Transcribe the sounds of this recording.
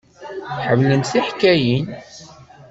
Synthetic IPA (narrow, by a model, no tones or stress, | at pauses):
ħəmlənθiħkːæjin